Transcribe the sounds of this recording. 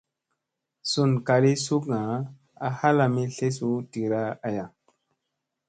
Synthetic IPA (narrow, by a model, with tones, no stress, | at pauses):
su˦˨nka˨ɾi˦su˦kŋa˨ | a˨ha˦la˨mi˦ɬe˦s̬u˦ti˨ɾa˦a˨ja˨